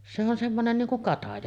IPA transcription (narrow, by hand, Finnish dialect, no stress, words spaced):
se on semːonen niːŋ kuŋ kɑtɑjɑ